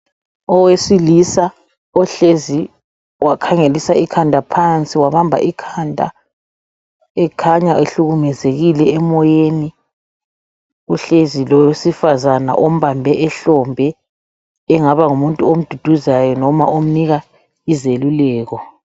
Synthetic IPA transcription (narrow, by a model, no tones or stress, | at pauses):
ɔwesilisa | ɔɬezi | wakʰaŋelisaikʰandʱapʰant͡sʼiwaβambʱa̰ʔikʰandʱa̰ | ɛkʰaɲaʔeɬuɣumɛzeɣilɛɛmɔjeni | uɬezilɔjesifazana̰ʔom̩βambʱɛʔɛɬɔmbʱɛː | ŋaβaŋumuntʼuom̩d̥ʱud̥ʱuzajɔnɔma̰ʔom̩niɣa | izelulɛːɣɔ